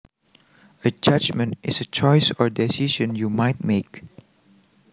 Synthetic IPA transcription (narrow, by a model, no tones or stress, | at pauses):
əd͡ʒad͡ʒmə̃ntɪsət͡ʃɔjsɔɹdɛsiʃə̃njumajt̚mek